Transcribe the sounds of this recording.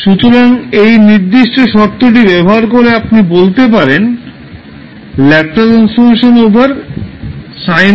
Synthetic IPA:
ʃut̪oɾaŋejniɾd̪iʃʈoʃɔɾt̪ːoʈ̬ibɛbɔɦaɾkoɾeapnibolt̪ep̬aɾen | lɛk̚ʈaʈɾansfoɾmeʃonobaɾ | sajn

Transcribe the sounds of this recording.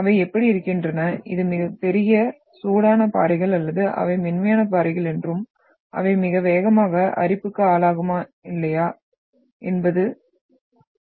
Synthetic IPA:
ɐʋɐɪɛpːɐɽiɪɾɯkːɪndrɐnɐʔɪ̰ðɯmɪɣɐpɛɾɪjɐ | suːɽaːnɐpa̰ːɾɐɪɣɐɭɐlːɐðɯʔɐ̰ʋɐɪmɛnmɐjaːnɐp̬aːɾɪɣɐɭɛndrɯm | ʔɐ̰ʋɐɪmɪɣɐʋeːɣɐmaːɣɐʔɐ̰ɾɪpːɯkːɯaːlaːɣɯmaːɪlːɐjaː | ɛnbɐðɯ

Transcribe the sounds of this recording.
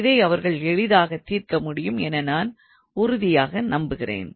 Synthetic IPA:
ɪðɐɪɐʋɐɾɣɐɭɛɻɪðaːɣɐt̪ːiːɾkɐmʊɽɪjɯmɛnɐnaːn | ʊɾʊðɪjaːɣɐnɐmbɯɣɪrḛːn

